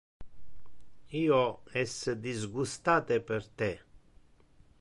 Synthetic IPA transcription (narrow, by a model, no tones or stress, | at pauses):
iːoɛsd̪izɡust̪aːt̪epeɾt̪e